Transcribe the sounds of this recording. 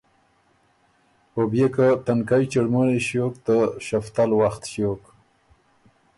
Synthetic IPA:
hobjekat̪ankajt͡ʃəɽmuneʃjok̚t̪əʃaft̪alwaxt̪ʃok

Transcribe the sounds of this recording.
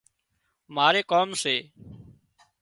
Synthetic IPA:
maːɾeːkoːmseː

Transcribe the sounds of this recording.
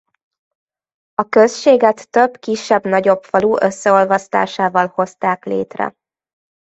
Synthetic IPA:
ɒkøsʃeːɡɛt̪ːøbkiʃːɛbnɒɟo̞pfɒluʔøsːɛo̞lvɒst̪a̰ːʃaːvɒlho̞st̪aːklḛːt̪rɛ̰

